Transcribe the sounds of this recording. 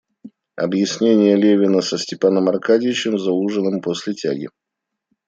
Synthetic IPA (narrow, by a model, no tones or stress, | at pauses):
ɐ̰bjɪsʲnʲenʲɪjəlʲevʲɪnəsəsʲtʲɪpanəmɐrkadʲɪvʲɪt͡ɕɪmzɐuʐənɨmposʲlʲɪtʲa̰ɡʲɪ̰